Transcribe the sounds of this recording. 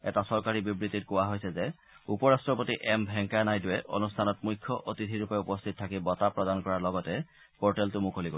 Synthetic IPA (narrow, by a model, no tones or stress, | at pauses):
ɛtasɔɹkaɹibibɹititkɔwaɦojsɛzɛ | upɔɹastɹɔpotiʔɛmbʱɛŋkanajduwɛʔo̰nustʰanɔtmujkʰːɔʔotitʰiɹupɛupɔstʰitɔtʰakibɔtapɹɔdankɔɹaɹlɔɡɔtɛ | pɔɹtɛltʊmukʰoliɡo